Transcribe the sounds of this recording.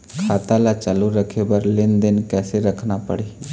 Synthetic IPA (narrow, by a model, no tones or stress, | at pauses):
kʰaːt̪alat͡ʃaluɾəkʰebəɾlɪnd̪ənkɛːseɾəkʰnapə̰ɽe